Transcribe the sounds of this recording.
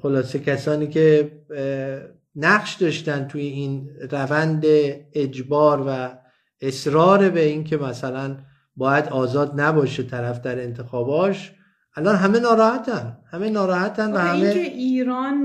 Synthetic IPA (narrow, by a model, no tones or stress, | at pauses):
xo̞lɒːse̞cʰæsɒːniːkʰe̞ | næɢʃd̪ɒːʃt̪ænt̪ʰuːjeiːnrævænd̪eed͡ʒbɒːɾvæ | esɾɒːɾe̞beinkʲʰe̞mæsælæn | bɒːjæd̪ɒːzɒːd̪næbɒːʃet̪ʰæɾæfd̪æɾe̞nt̪ʰe̞xɒːbɒːʃ | ʔælɒnɦæme̞nɒːɾɒːhæt̪ʰænhæmenɒːɾɒːhæt̪ʰænvæhæmeeiːɾɒːn